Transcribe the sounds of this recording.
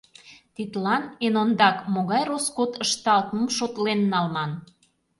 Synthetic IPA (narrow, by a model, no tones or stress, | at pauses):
t̪it̪lɑnenond̪ɑkmoɣɑjɾoskot̪əʃt̪ɑlt̪məmʃot̪lenːɑlmɑn